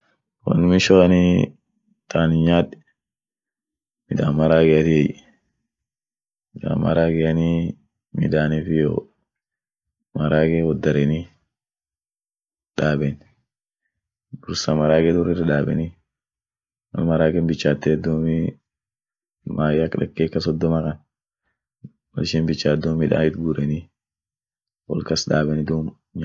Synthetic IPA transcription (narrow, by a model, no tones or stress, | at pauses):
wɐ̰nːʊmɪʃoɐni | t̪aːnɪɲaːᶑɛ̥ | mɪd̪aːmmɐɾaːɡɛjɐt̪ɪɛj | mɪd̪a̰ːmːɐ̰ɾaːɡɛjɐni | mɪ̰d̪aːnifɪjo̰ | mɐɾaːkɛwɔd̪ːɐɾɛnɪ | ᶑaːbɛn | bʊɾsɐmɐɾaːɡɛd̪ɔrɪrɪᶑaːbɛ̰nɪ | mɐ̰nmɐɾaːɡɛnbɪt͡ʃːaːt̪ːɛd̪ːoːmi | maːjɐkːᶑɐ̰kːeːkːɐsɔd̪ːɔmɐkɐn | wɐ̰lʃɛmbɪt͡ʃːaːd̪ɔmmɪᶑ̪a̰ːɪt̪ɡuːɾɛnɪ | wɔ̰lkɐsᶑaːbɛnɪd̪uːm | ɲ